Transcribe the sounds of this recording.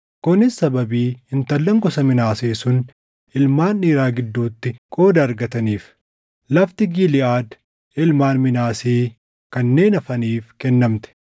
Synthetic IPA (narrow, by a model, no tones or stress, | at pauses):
kʊnɪsːɐbɐbiːhɪnt̪ɐlːɐŋkɔsɐmɪnaːseːsʊn | ʔɪlmaːnːiːɾaːɡɪd̪ːuːt̪ːɪkʼo̞ːd̪ɐːɾɡɐt̪ɐniːf | lɐft̪ɪɡiːlɪʔaːd̪ | ɪlmaːnmɪnaːseː | kɐnːe̞ːnɐfɐniːfkɛnːɐmt̪ɛ̥